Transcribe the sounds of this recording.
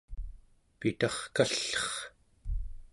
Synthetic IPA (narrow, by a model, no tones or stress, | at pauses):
pit̪ɑχkaɬːʌχ